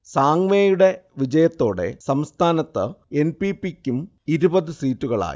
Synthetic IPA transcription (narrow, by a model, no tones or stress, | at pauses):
saːŋmeːjuɽe̞ʋid͡ʑɐjɐt̪ːo̞ːɽe̞̰sɐmst̪ʰaːnɐt̪ːɨe̞npipːikʲːum | iɾubɐðɨsiːtːuɣɐɭa̰ːjḭ